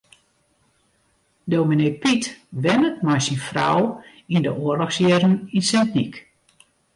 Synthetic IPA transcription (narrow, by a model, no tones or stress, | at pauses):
dowminejpitʋɛnətmajsinfra̰w | indəʔoərlɔxsjɛrəninsɛntnik